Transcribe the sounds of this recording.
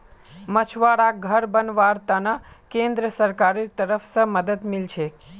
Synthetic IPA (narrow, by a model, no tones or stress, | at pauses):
mət͡ʃʰʋaɽaɡʱəɾbənʋaɾt̪anakẽnd̪ɾəsəɾkaɾit̪əɾəfsəməd̪əd̪milt͡ʃʰe